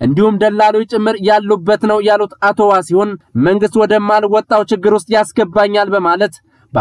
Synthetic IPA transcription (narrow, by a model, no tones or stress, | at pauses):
ʔɨnd̪ihumd̪əlːalowjt͡ʃʼɪmːɨɾjalːubːət̪nəwjalut̪at̪ʰo̞wasiho̞nməŋɡɨst̪wɔd̪əmːalwɔt̪ʼːawt͡ʃɪɡːɨɾʊs̬t̪ʼjasɡəbːaɲːalbəmalət̪ | b